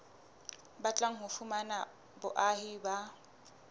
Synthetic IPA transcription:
bat͡ɬʼaŋ̩ɦʊfumana | bʊʔahiba

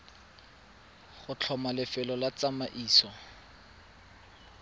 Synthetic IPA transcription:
χʊt͡ɬʰɔmalɪfɪlɔlat͡samaʔiːsɔ

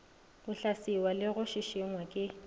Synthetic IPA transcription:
ʊɬasiwalɪɣʊʃiʃɪŋwakʼɪ

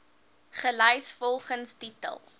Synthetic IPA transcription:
χəlɛjsfɔlˠχənstitə̰lˠ

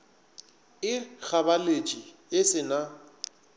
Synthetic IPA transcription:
ɪɣʰabalet͡ʃʼi | ɪsɪna

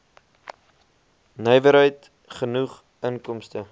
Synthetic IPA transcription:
nœjvəɾɦəjt | χənuχ | əŋkɔmstə

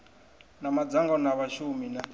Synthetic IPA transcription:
namad͡zaŋɡɔnaβaʃumina

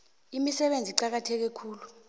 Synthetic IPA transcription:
imisɛɓend͡zʱiǃak̬atʰɛk̬ɛkʰuːlu

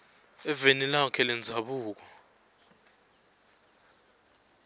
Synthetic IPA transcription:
ɛvenilaɔkʰɛlɛnd͡zʱaɓuːk̬ɔ̥

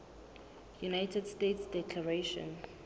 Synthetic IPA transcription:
junajtʰɛdstetsdɛkʰlaɹeʃɔ̰̃n

